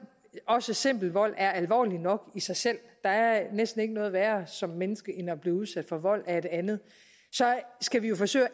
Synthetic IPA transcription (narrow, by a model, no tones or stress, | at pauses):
ɒ̽səse̝m̰b̥l̩ʋɒ̽l̰æɐælʋɒ̰ːlinɒ̽ɡ̥isɑ̈ɪsel̰d̥ɑ̈æɐnesd̥n̩e̝ɡ̥ənɔ̽ːð̩ˠʋæːɐsɒ̽mːenəsɡ̥əʔe̝nɐb̥liːuð̞ˠsæd̥fɒ̽ʋɒ̽l̰æɐed̥e̝ænð̞̩ˠ | sɒ̽sɡ̥æʋijo̝fɒ̽sø̰ɪ